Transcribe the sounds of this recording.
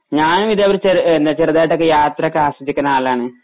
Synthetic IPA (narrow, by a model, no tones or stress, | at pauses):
ɲaːnumiðeɐʋɐɾut͡ɕeɾend̪ɐt͡ɕeruðaːjʈːokːejaːt̪rɐkːeaːsɐt͡ɕːikʲːunɐaːlaːɳɨ